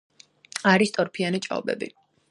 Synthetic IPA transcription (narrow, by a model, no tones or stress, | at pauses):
aɾist̪ʼɔɾpʰianit͡ʃʼa̰ɔ̰bɛ̰bḭ